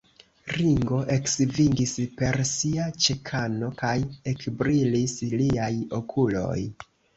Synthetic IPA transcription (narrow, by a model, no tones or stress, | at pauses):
ɾiŋɡo̞ʔe̞ksviŋɡispe̞ɾsiat͡ʃekʰano̞kaje̞kbɾilisliajo̞kʰulo̞̰j